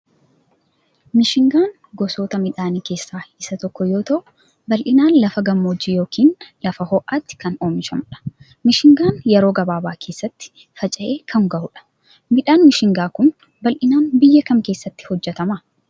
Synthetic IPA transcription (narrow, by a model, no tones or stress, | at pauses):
mɪʃɪŋɡaːn | ɡɔsoːt̪ɐmɪᶑaːniːke̞ːsːaːɪsɐt̪ɔkːɔjo̞ːt̪ɐʔʊ | bɐlʔɪnaːnlɐfɐɡɐmːoːd͡ʒiːjo̞ːkʰiːnlɐfɐhɔʔaːt̪ːɪ̥kɐnoːmɪʃɐmᶑɐ̥ | mɪʃɪŋɡaːnjɛɾoːɡɐbaːbaːkʰe̞ːsːɐt̪ːɪ̥ | fɐt͡ʃʼɐʔe̞ːkʰɐŋɡɐʔʊᶑɐ̥ | mɪᶑaːnmɪʃɪŋɡaːkʊn | bɐlʔɪnaːnbɪjːɐkɐmke̞ːsːɐt̪ːɪ̥hɔd͡ʒːɛt̪ɐmɐ